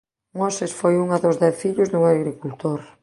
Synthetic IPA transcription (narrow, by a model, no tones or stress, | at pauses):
mosesfojuŋɐðozðɛθfiʎʊzðuŋaɣɾikult̪oɾ